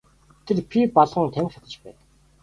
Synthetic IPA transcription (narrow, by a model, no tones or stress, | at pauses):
t̪ʰerpʰʲipɔɮʁə̆ŋt̪ʰæm̆ʲχʲat̪ə̆t͡ɕpæ̰ːn